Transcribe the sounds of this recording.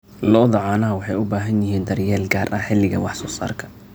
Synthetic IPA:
lɔðɐʕɑːnɐɦɐwɑħɑjʊbaːɦɐnjɪɦiːnd̪ɐrjɛːlɡaːrʔɐħɪlɪɣɐwɑħsɔːsa̰ːrkʰɐ̥

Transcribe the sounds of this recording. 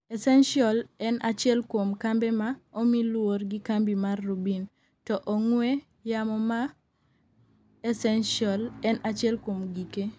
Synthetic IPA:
ɛsɛnʃiɔlɛnat͡ʃɪɛlkwomkambɛmaomilworɡikambimarːubin | tɔʔoŋwe | jamɔma | ɛsɛnʃiɔlɛnʔat͡ʃɛlkwomɡike

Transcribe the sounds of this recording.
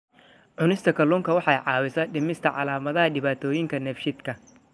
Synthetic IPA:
ʕʊnɪst̪ʰɐkʰɐluːŋkʰɐwɑħɑjʕɑːwɪsɐːɖɪmɪst̪ʰɐʕɑ̰laːmɐðɐɦɐɖɪβaːt̪ʰɔːjɪŋkʰɐnɛfʃɪd̪kʰɐ

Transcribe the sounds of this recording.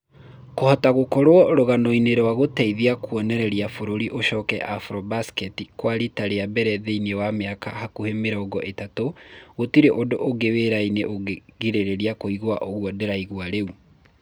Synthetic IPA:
kohɔtaɣokɔɾwɔɾoɣanoineɾɛwaɣotɛiðiakuɔnɛɾɛɾjafoɾoɾiʔoʃɔːkɛ̰ʔafɾɔbaskɛtikwaɾitaɾeabɛɾɛðeinewameaka̰hakuhemeɾɔɡɔʔetatoɣotiɾeʔodoʔoɡeweɾaineʔoeɣiɾeɾeɾiakoiɣowaʔoɣwɔdeɾaiɣwaɾeu

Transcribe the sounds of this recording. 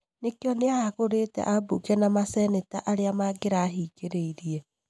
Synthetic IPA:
nekjɔneaaɣoɾetɛ̰ʔabukɛnamasɛneta̰ʔaɾeamaɡeɾaːɦiɡeɾeiɾiɛ

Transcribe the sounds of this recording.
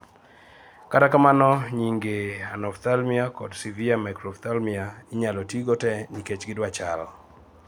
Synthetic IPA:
katakamanɔɲiŋɡeanɔft̪almiakɔdsiviamakɾɔft̪almiaɪɲalɔtiɡɔtɛniket͡ʃɡɪdwat͡ʃal

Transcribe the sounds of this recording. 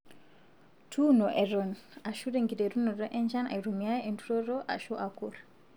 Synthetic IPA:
tʰunɔʔɛɾɔnaʃudɛŋɡidɛɾunɔdɔʔɛnd͡ʒana̰jɾumijajɛntuɾɔɾɔʔa̰ʃuʔakuɾ

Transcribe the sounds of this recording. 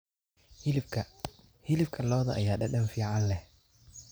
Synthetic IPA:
hɪlɪbkʰɐ | hɪlɪfkʰɐlɔːðɐʔjaːɗɐɗɐnfiːʕɑnlɛh

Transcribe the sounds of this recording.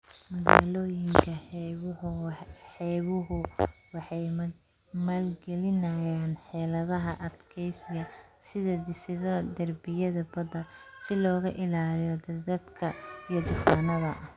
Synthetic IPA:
mɐɣa̰ːlɔːjɪŋkʰɐhʊħɛːβʊɦʊwɑħɑj | maːlɡɛlɪnɐjaːnħɛːlɐðɐɦɐʔɐd̪kʰɛjsɪɡɐsɪðɐd̪ɪsɪðɐd̪ɐrbɪjɐðɐbɐd̪ɐsɪlɔːɣɐʔɪlaːlijɔd̪d̪ɐd̪kʰɐijɐd̪ʊfaːnɐðɐʔɐh

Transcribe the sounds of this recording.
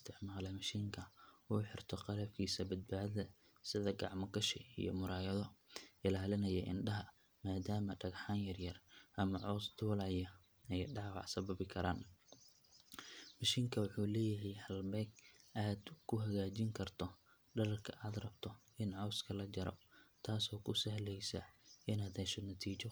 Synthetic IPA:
ɪst̪ʰɪʕmaːlɛmɐʃiːŋkʰɐuːħɪrt̪ʰɔqɑlɐbkʰiːsɐbɐd̪̚baːðɐðɐ | sɪðɐɡɑʕmɐɡɐʃɪḭjɔ̰mʊɾaːjɐðɔʔɪlaːlɪnɐjɛ̰ʔɪ̰nɖɐɦɐ | maːd̪aːmɐɖɐɡħaːnjɐrjɐrʔɐmɐʕɔwsd̪ʰʊlɐjɐ | ɛjɖɑʕwɑ̰ʕsɐβɐβɪkʰɐɾa̰ːn | mɐʃiːŋkʰɐwʊħuːlɛːjɐɦɛjhɐlbɛɡʔaːd̪kʰʊɦɐɣaːt͡ʃɪŋkʰɐrt̪ʰɔ | ɖɐlɐrkʰɐʔaːd̪rɐbt̪ʰɔ | ɪnʕɔwskʰɐlɐd͡ʒɐɾɔ̰t̪ʰaːsɔːkʰʊsɐɦlɛjsɐ̰ʔɪnad̪ɛsɔnɐt̪ʰiːt͡ʃɔ

